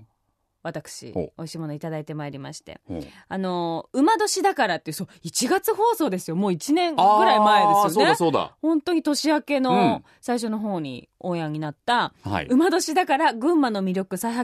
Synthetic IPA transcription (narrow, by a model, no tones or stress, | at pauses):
βat̪akɯ̥ɕḭo̞iɕimo̞no̞it̪ad̪ait̪e̞maeɾʲimaɕi̥t̪e̞̰ | ano̞ɯ̟mad̪o̞ɕid̪akaɾat̪ːe̟soit͡ɕiɡat͡sɨɦo̞ːso̞ːd̪e̞sɨjo̞mo̞ːit͡ɕinẽ̞ŋɡɯ̟ɾaimaed̪esɨonesoːd̪a̰hõ̞nt̪o̞ɲ̟it̪o̞ɕiake̞no̞ | saiɕ̬ono̞ɦo̞ːɲ̟ḭ | oːjaɲ̟inat̪ːaha̰ḭɯ̟mad̪o̞ɕid̪akaɾaɡɯ̟̃mːano̞mʲiɾʲo̞kɯ̟saiɦa